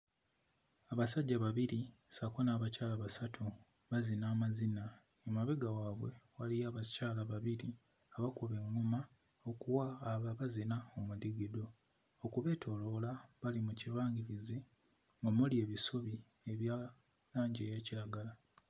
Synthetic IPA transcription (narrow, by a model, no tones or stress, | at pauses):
aβasaɟːaβaβiɾisakonaːβacaːlaβasatʰu | βazinaːmazina | emaβeɡawaβwe̞walijaːβacaːlaβaβiɾi | aβakuβe̞ŋːuma | okuwaːβaβazinaomudiɡedo̞ː | kuβe̞ːtʰo̞lo̞laβalimucilwaːŋɡiɾizi | ŋɡomulie̞ːβisoβi | e̞βja | laːɲɟe̞ːjeːciɾaɡala